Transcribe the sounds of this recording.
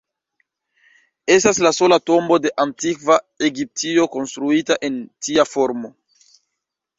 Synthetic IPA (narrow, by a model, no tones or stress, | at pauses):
e̞staslaso̞lato̞mbo̞de̞ʔantikva | e̞ɡip̚tio̞ko̞nstɾuitaʔe̞ntiafo̞ɾmo̞